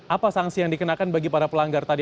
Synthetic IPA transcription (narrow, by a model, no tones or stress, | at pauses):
ʔapasaŋsijaŋdikənakanbaɡipaɾapəlaŋɡart̪adi